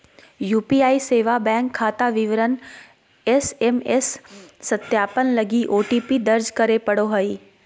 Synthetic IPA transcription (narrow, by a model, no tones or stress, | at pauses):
juːpiaːiseːʋabɛ̃ːŋkʰːaːt̪aʋɪʋɾən | esemesːɐt̪jaːpənlɐɡiʔoːʈipid̪ɐɾd͡ʒkɐɾepɐɽoɦɐiː